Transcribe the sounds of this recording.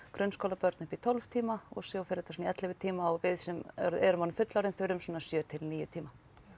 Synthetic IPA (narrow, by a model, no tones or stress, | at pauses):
kɾœnskowlapœɾt̪nʏhpit̪ʰɔlv̥t̪ʰiːmaɔ̰ɣsjoːwfɪɾɛt̪asɔniɛt̪lɪvɪt̪ʰiːmaɔvɪðsɛmœ̰ɾðɛɾʏmanːʏmfʏt̪lawɾɪnθœɥɾʏmsɔːnːasjœːt̪ʰɪlniːjʏt̪ʰiːma